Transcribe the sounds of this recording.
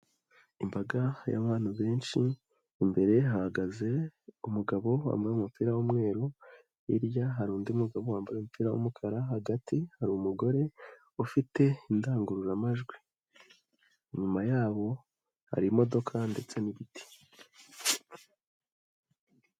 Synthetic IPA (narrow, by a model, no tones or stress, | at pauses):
imbaɡaja̰βaːn̥huβe̞ːnʃiː | mbe̞ɾe̞hahaɡaze̞umuɡaβo̞wa̰ːmbaɾumupiɾawumŋe̞ːɾo | iɾjaɦaɾuːndiumuɡaβowaːmbaɾeumupiɾawṵmukʰaɾaɦaɡatʰihaɾumuɡo̞ɾe̞ | ufite̞indaːŋɡuɾuɾamaʒɡwi | iɲumajaːβo̞ | ha̰ɾimo̞do̞kʰande̞t͡se̞niβitʰi̥